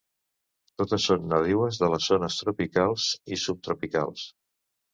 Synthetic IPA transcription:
t̪ot̪əsːonːəðiwəzðələzːonəst̪ɾupikalˠzisup̚t̪ɾupika̰lˠs

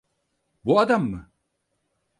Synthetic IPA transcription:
buad̪amːɯ

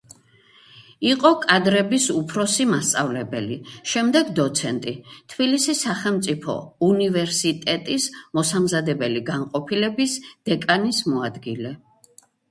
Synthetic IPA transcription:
iqʼɔkʼad̪ɾɛbisupʰɾɔsimast̪sʼavlɛbɛ̰liʃɛmd̪ɛɡd̪ɔt̪sʰɛnt̪ʼit̪ʰb̥ilisisaχɛlˠmt̪sʼipʰɔ̰univɛɾsit̪ʼɛt̪ʼismɔsamzad̪ɛbɛliɡaŋqʼɔpʰilɛbisd̪̥ɛkʼanismɔad̪ɡilɛ

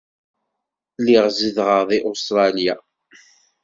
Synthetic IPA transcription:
liʁzəðʁəʁðˤiʔost̪ɾˤɑlja

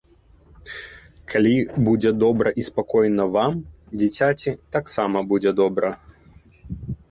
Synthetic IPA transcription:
kʰalʲibud͡zʲɛd̪ɔbɾɐʔispakɔjnɐvam | d͡zʲit͡sʲat͡sʲit̪aksamɐbud͡zʲɛd̪ɔbɾɐ

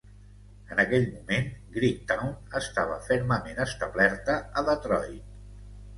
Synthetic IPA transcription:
ənəkɛʎmumenɡɾik̚t̪awnəst̪aβ̞ə̰fɛɾməmenəst̪əβlɛɾt̪əəðət̪ɾɔjt̪̚

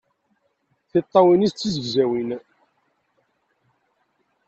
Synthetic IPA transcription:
θɪt̪ˤːɑwinist͡sːizəɡzæwin

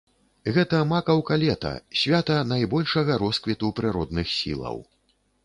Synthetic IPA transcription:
ɣɛt̪ɐmakɐwkalʲɛt̪ɐ̰sʲvʲat̪ɐnajbɔlʲʂɐɣɐɾɔskvʲit̪upɾɨɾɔd̪nɨxsʲḭlˠɐ̰w

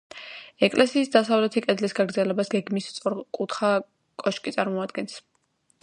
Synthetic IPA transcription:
ɛkʼlʔɛsiːsd̪asavlɛt̪ʰikʼɛd̪lisɡaɡɾd̪zɛlɛbasɡɛɡmist̪sʼuɾkʼut̪ʰχa | kʼɔʃkʼit̪sʼaɾmɔad̪̚ɡɛns

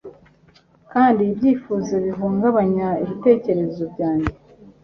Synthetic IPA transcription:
kaːndiːbɟiːfuːzoβiɦuːŋɡaβaɲaiβite̞ːce̞ɾe̞zo̞bɟaːɲɟe

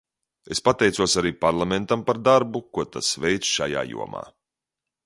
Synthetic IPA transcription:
espat̪ɛjt̪suɔsaɾiːpaɾlˠament̪ampaɾd̪aɾbukuɔt̪asvɛjt̪sʃaja̰ːjṵɔma̰ː

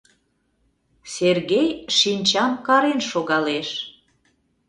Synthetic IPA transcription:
serɣejʃinʲt͡ɕɑmkɑɾenʃoɣɑleʃ

